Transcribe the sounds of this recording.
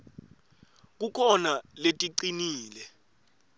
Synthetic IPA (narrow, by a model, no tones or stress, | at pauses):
k̬ukʰɔnaletʼiǀiniːlɛ